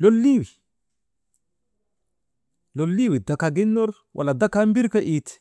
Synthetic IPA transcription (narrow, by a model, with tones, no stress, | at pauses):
lolːiwi˨ | lolːi˦wi˨da˨ka˨ɡi˦nːo˦ɾ | wʔa̰la˨da˦kambi˦ɾka˦ʔit̪